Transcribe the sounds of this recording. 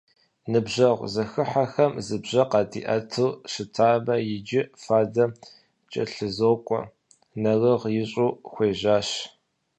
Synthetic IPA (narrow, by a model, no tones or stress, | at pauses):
nɨbʑɐʁʷzɐxɨħaxɐmzɨbʑɐqɑtʰʼḭːʔɐtʰɨlɕɪtʰaːbɐjɪd͡ʒɪfaːdɐ | t͡ʃʼɐ̰ɬɨzoːkʷʼɔ̰ | nɐrɨʁjɪɕʼuːxʷeːʒaːɕ